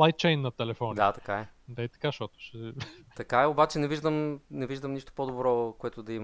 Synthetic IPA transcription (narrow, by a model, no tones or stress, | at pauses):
ajk̚t͡ʃɛjnːɐt̪ɛlɛfɔnd̪at̪ɐ̥kaɛd̪ait̪ɐ̥kaʃt̪ɔt̪o̥ʃɛt̪ɐkaɛobat͡ʃɛnɛviʒd̪əmnɛviʒd̪əmniʃt̪o̥pod̪obɾɔkoɛt̪ʊd̪ɐim